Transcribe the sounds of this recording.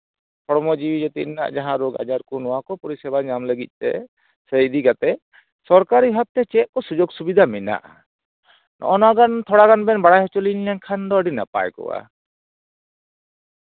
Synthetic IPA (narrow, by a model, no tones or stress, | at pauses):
pʰɔɽmɔd͡ʒiwid͡ʒɛt̪ḭʔna̰ʔd͡ʒaɦãɾɔɡa̰d͡ʒaɾkɔnɔwakɔpɔɾisɛbaɲamləɡic̪̚ˀt̪ɛ̰ | səjd̪iɡat̪ɛ | sɔɾkaɾiɦab̚t̪ɛt͡ʃɛʔ̚kɔsud͡ʒoɡsubid̪ʱamɛna̰ʔa | nʔɔ̰ʔɔnaɡant̪ʰɔɽaɡanbɛnbaɽajɦɔt͡ʃɔlinlankʰand̪ɔɖina̰pa̰jkɔ̰wa̰